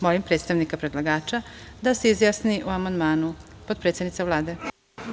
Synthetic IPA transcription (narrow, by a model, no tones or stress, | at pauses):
molimpɾet̪st̪aʋnikapɾed̪lˠaɡaːt͡ʃad̪aseizjasniʔuamand̪maːnupod̪pɾet̪sdnit̪savlˠaːd̪e̞